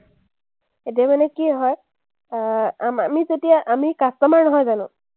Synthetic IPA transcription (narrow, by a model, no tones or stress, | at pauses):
etijamanɛkiɦɔj | aamizetijaʔamikastɔmaɹnɔɦɔjzanʊ̃